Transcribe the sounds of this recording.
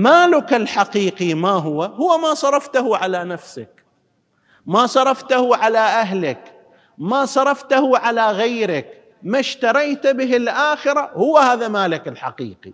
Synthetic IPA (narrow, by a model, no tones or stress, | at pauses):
maːlɪkɪlħaqiːqimaːɦʊwːahʊwːamaːsˤɑɾˤɑft̪ahuʕalanafsa̰k | masˤɑɾˤɑft̪ahuʕalaʔaɦlɪk | maːsˤɑɾˤɑft̪ahuʕalaɣajɾɪk | maʃt̪ɑɾˤɑjt̪bɪɦɪlʔaːxɪɾahʊwːahaːðamaːlɪkɪlħa̰qḭːqi